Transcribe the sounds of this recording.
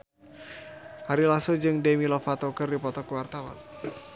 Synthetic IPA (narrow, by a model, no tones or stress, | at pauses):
haɾilasod͡ʒɨŋdemilɔfat̪ɔkərdipɔt̪ɔkəwart̪awa̰n